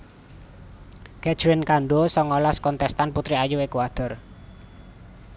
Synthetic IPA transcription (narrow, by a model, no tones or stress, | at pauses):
kɛ̥t͡ʃɾinkaɳɖosɔŋɔlaskɔnt̪ɛst̪anput̪ɾiajuekuad̪̥ə̤r